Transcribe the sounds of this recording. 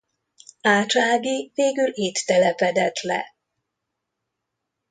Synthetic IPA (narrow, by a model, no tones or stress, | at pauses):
aːt͡ʃaːɡiveːɡylit̪ːɛlɛpɛd̪ɛt̪lɛ̰